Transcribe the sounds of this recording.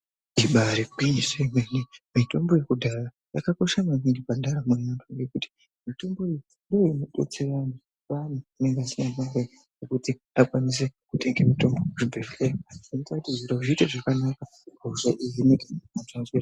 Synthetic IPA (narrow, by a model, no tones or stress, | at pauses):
iɓaɾebiɲisemenimito̞mbo̞je̞kudʱara | jakako̞ʃamamiŋɡipandaɾamunantʰuekuti̥ | mito̞mbo̞ijindoinoɗo̰t͡sirana | panoine̞ŋɡasinamaɾe | nekuti | akwanis̬e̞kuteŋɡemito̞mboʐibʱefemaninotatiziɾoʐiiteʐakanaka | ɡʱoʐaʔijinekaaʐazira